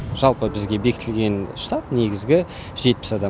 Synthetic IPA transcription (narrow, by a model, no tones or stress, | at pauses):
ʒ̥ɑlˠpəbɪzɡʲe̞be̞kʲɪt̪ɪlɡʲe̞nʃt̪at̪neɡʲɪzɡʲɪ | ʒ̥e̞t̪̚pɪ̥sɑd̪ɑ